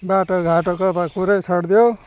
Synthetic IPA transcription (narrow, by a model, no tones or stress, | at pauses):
baʈoɡʱaʈokʌt̪akuɾet͡sʰʌɽd̪ijo